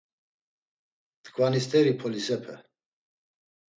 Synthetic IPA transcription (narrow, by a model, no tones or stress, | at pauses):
d̪̥ɡvanist̪ʰʼɛɾipʰɔlisɛpʰɛ̰